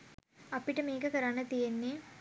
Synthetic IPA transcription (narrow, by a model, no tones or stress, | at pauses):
ɐpːiʈːɐmeːkɐkɐɾaːnɐt̪ijɐnːe